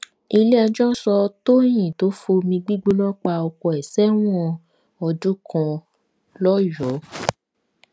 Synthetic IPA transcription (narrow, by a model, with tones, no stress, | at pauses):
i˧le˦a˧d͡ʒɔ̃˦sɔ˧to˦j̃ĩ˨to˨˦fo˧mĩ˧ɡ͡bi˦ɡ͡bo˦lɔ˦k͡pa˧ɔ˧kɔ˧ɛ˨sɛ˦w̃ɔ˦˧ | ɔ˧du˦kɔ̃˧ | lɔ˦jɔ˨˦